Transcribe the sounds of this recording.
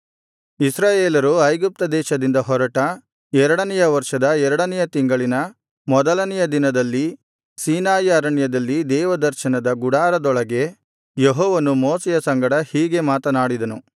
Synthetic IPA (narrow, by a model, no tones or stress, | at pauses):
isɾaːjeːlɐɾuɐjɡup̚t̪ɐd̪ɛːʃɐd̪ind̪ɐɦɔɾɐʈɐ | ɛɾɐɽɐnɛjɐʋɐɾʃɐd̪ɐɛɾɐɽɐnɛjɐt̪iŋɡɐɭinɐ | mɔd̪ɐlɐnɛjɐd̪inɐd̪ɐlːi | siːnaːjɐɾɐɳjɐd̪ɐlːid̪ɛːʋɐd̪ɐɾʃɐnɐd̪ɐɡuɽaːɾɐd̪ɔɭɐɡe̞ | jeɦɔːʋɐnumoːsɛjɐsɐŋɡɐɽɐhiːɡe̞maːt̪ɐnaːɽid̪ɐnu